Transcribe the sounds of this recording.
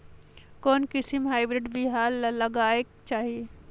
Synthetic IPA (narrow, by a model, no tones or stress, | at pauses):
koːnkɪsimɦaːɪbɾɪɖbɪɦaːllɐɡaːeɡt͡ʃaːɦie